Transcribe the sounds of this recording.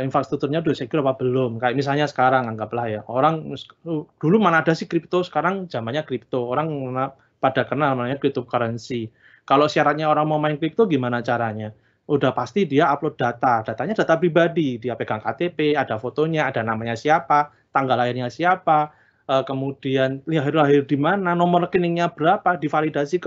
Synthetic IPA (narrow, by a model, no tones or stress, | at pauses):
infɾast̪ɾuk̚t̪urɲadusekuɾapab̥əlomkajaʔmis̬alɲasə̥kaɾaŋaŋɡaplahjaoɾaŋsd̥ulumanaːdasɪhkɾip̚t̪osə̥kaɾaŋzamanɲakɾip̚t̪ooɾaŋmana | padakərnalmanaɲaɡit̪ukaɾənsi | kalosiaɾat̪̚ɲaoɾaŋmaumaɪnkɾip̚t̪oɡimanat͡ʃaɾaɲa | udahpast̪idiaaplod̥at̪ad̥at̪aɲad̥a̤t̪apɾibadid̥iapeɡaŋkat̪epead̥afot̪oɲaːda̤namaɲasiapa | t̪aŋɡalajɪnɲasiapa | əkəmud̥ianliaɦɪrlaɦɪrd̥imananɔmɔrkinɪŋɲab̥əɾapadifalidasik